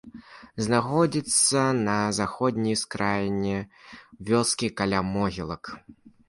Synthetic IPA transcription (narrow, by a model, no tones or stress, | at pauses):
znaxɔd͡zʲit̪sːɐnɐzaxɔd̪ʲnʲijskɾajnʲɛvʲɔskʲikalʲamɔɣʲilˠɐk